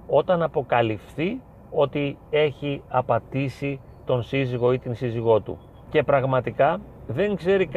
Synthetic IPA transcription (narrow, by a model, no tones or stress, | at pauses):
o̞t̪ɐnɐpo̞kɐlifθi | o̞t̪ie̞çiɐpɐt̪isi | t̪o̞nsiziɣo̞it̪insiziɣo̞t̪ṵ | ce̞pɾɐɣmɐt̪ikɐ | ðe̞ŋɡze̞ɾik